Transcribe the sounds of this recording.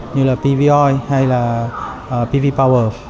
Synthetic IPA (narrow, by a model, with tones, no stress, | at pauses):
ɲɨ˧laː˨˩pi˧vi˧ʔɔ˧jha˧jlaː˨˩ʔəː˨˩pi˧vi˧pa˧wəː˧